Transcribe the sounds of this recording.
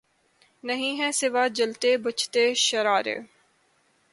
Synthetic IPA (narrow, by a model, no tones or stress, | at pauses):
nəɦĩːɦɛ̃sɪʋaːd͡ʒəlt̪eːbət͡ʃʰt̪eːʃəɾaːɾḛː